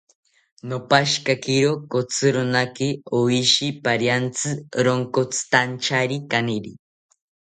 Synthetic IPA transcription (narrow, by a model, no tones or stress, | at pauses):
nopaʃkakiɾokot͡sʰɨɾonakioiʃipaɾjant͡sʰɨɾoŋkot͡sʰɨ̥t̪ant͡ʃaɾikaniɾi